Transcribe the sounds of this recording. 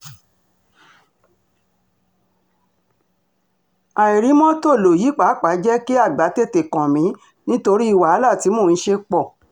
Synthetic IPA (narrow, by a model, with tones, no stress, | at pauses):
a˨i˨ɾi˨˦mɔ̃˦to˦˨lo˨ji˨˦k͡pa˨˦k͡pa˨˦d͡ʒɛ˦ki˦a˦˨ɡ͡ba˨˦te˦˨te˨kã˨mĩ˨˦ | nĩ˦to˧ɾi˦i˦˨wa˨a˨˦la˦˨ti˨˦mo˦˨ñ̩˦ʃe˧k͡pɔ˦˨